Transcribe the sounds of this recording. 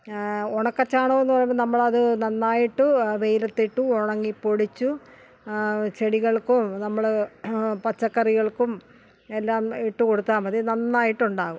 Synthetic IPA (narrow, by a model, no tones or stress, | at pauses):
oɳɐkːɐt͡ɕːaːɳoːenːɨpɐrɐjunɐmːɐɭɐðɨnɐnːaːjiʈːɨʋejlɐt̪ːiʈːuoɳɐŋːipo̞ɽit͡ɕːu | t͡ɕeɽiɣɐɭkumnɐmːɐɭ | pɐt͡ɕːɐkːɐriɣɐɭkum | e̞lːaːmiʈːuko̞ɽut̪ːaːmɐðenɐnːaːjiʈːuɳɖaːɣum